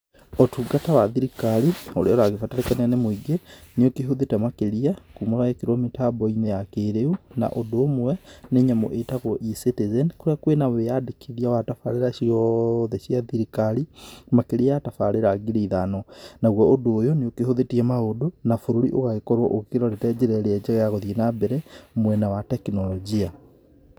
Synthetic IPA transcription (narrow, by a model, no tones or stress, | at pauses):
otuɡatawaðiɾikalioɾeɔɾaɣefataɾekananemoiɡeneokeɦoðetɛmakeɾiakumoɾaɛkeɾɔmitabɔinejakeɾeuna̰ʔodoːmwwɛneɲamɔ̰ʔetaɣwɔʔisetezɛnkoɾeakwenawejadekʰeðiawatafaɾeɾaʃiɔðɛɕiaðiɾikaɾimakeɾiaatafaɾeɾaɡiɾeiðanɔnaɣwɔodoːjoneokehoðetiɛmaodonafoɾoɾiʔoɣaɣekɔɾwɔʔokeɾɔɾetɛd͡ʑeɾɛɾeɛd͡ʑɛɣɛjaɣɔðienabɛɾɛmwɛnawatɛkinɔlɔd͡ʒia